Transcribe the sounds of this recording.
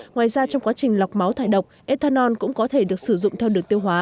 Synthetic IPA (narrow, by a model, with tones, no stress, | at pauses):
ŋwaː˨jzaː˧t͡ɕɔ˧wŋ͡mkwaː˨˦t͡ɕï˨˩ŋ̟la˨˩wk͡p̚ma˨˦wt̪ʰaː˧˩jɗə˨˩wk͡p̚ʔe˧t̪ʰaː˧nɔ˧nkʊ̰˧˥ŋ͡mkɔ˨˦t̪ʰe˧˩ɗɨ˨˩ək̚sɨ˧˩zʊ̰˧˨ŋ͡mt̪ʰɛ˧wɗɨ˨˩əŋt̪i˧əwɦwaː˨˦